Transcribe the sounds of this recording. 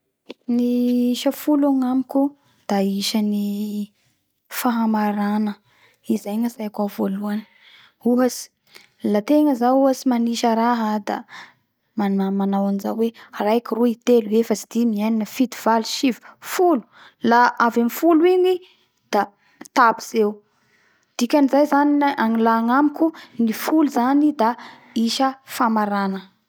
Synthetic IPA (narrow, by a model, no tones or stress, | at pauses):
niiʃəfulaŋamikʲu | d̪̥aiʃəni | faɦamaɾanə | izajŋasajakavoluanə̥ | uɦasi̥ | lat̪eŋəzauɦasimaniʃəɾaɦad̪a̰ | manamanawanza̰wearajkiruit̪eluwefasi̥d̪imianinəfid̪iv̥aliʃivu̥fulu̥ | laavamifuluini | d̪̥a | t̪abiz̥ew | d̪̥ikʲanizajzaniʔaŋilaŋamikʲunifuluzanid̪a | iʃəfamaɾanə